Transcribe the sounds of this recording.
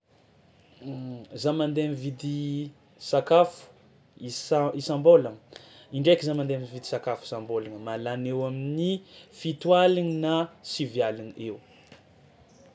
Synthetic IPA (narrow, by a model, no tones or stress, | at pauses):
zamand̪eamivid̪i | sakafu̥ | iisãmbola | iɳɖ͡ʐekizamand̪eamivid̪isakafu̥sambolanəmalanewaminifit̪ualininasivjalinew